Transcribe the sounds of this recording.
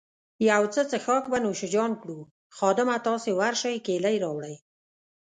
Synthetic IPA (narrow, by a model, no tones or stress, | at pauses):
jawt͡sət͡səxɑkbanoʃɪd͡ʒɑnkɽu | xɑd̪ɪmat̪ɑsewaɾʃəjkelajɾɑwɽəj